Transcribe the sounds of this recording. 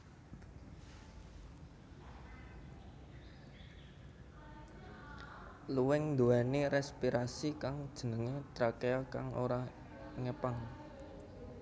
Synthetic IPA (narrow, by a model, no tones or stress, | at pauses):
luwɪŋnd̪oaneɾɛspiɾasikaŋd̥ʒ̥ə̤nəŋet̪ɾakeaka̰ŋo̰ɾa | ŋəpaŋ